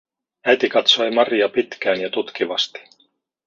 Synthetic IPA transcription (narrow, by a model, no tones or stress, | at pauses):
æt̪ikɑt̪so̞jmɑrjɑpit̪k̟æːnjɑt̪ut̪kiʋɑst̪i̥